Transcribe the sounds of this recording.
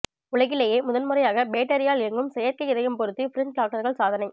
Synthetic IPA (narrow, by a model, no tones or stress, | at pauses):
ʊɭɐɣɪlɐjeːmʊðɐnmɯrɐjaːɣɐbeːʈːɐɾɪjaːlɪɐŋɡɯmsɛjɐɾkɐɪɪðɐjɯmpɔɾɯt̪ːifɪɾɪnʈaːk̚ʈːɐɾɣɐɭsaːðɐnɐɪ